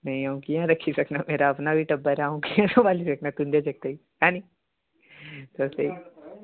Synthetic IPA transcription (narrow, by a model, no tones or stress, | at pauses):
mɐ̃ĩaũkijãɾɐkʰːisɐknameːɾaɐpnabʱiʈɐbːəɾaũkijãsɐbaːlisɐknat̪ũnd̪ad͡ʒɐk̚t̪ei | ãːni | t̪osei